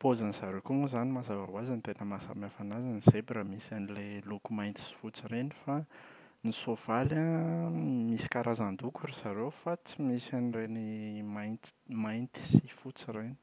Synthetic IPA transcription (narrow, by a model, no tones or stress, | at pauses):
pozanisaɾekumuzanimazavawazanit̪enəmasa̰mafanazanizebiɾəmisanilelukumajnt̪i̥si̥fut͡siɾenifa | nisov̥ala | misi̥kaɾazand̪ukuɾisaɾewfat͡simisanirenimaj̪majnt̪i̥sifut͡siɾeni̥